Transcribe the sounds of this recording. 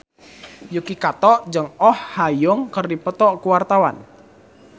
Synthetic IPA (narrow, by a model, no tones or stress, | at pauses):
jukikat̪ɔʔd͡ʒəŋɔhːajʊŋkərdipət̪ɔʔkuwart̪awa̰n